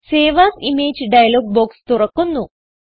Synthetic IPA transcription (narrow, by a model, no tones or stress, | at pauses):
seːʋaːsimeːd͡ʑɖɐjɐloːɡ̚boːkst̪uɾɐkːunːu